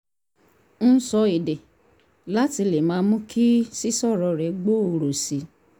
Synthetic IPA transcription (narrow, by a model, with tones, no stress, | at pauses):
n̩˦sɔ˧e˨de˨ | la˦ti˧le˨mãː˨˧˦mũ˦kʰi˦si˦sɔ˦˨ɾɔ˨˧ɾɛ˨˦ɡ͡bo˦˨o˧ɾo˨si˨˦